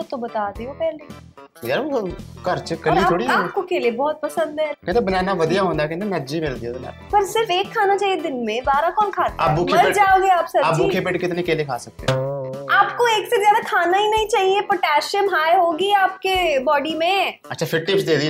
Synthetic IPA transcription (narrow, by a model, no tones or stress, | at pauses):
ʊt̪obɐt̪aːd̪iopɛɦle | jaːɾokɐɾt͡ʃkɐɔlɾitːaːoːɽiɛːkokeliebɔːt̪̚pɐsə̃nd̪ɦɛːkɛ̃nt̪obɐnaːnaʋɐd̪ijaɦõːnd̪akẽnd̪emɛ̃ɐtːd͡ʒimɪld̪iaɐla̰ːɾpɐɾsɪɾfeːkʰːaːnat͡ʃaːɦied̪ɪnmẽbaːɾakɔːnkʰaːt̪a̰ːbuːkʰeɐld͡ʒaːoːɡeaːpsɐaːpbuːkʰepeːʈkɪt̪nekeliekʰa̰ːsɐk̚t̪ḛɛaːpkoeːksezjaːd̪akʰaːnaɦinɐɦĩt͡ʃaːɦiepɐʈɛːʃiəmɦaːeɦoːɡiaːp̚kebɔːɖimẽɐtːʃʰafɪɾʈɪpsd̪eːd̪i